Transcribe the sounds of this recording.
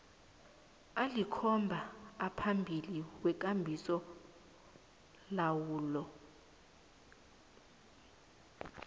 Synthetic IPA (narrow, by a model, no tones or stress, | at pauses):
alikʰɔmbʱaːpʰambʱiliwɛk̬ʼambʱisɔ | lawuːlɔ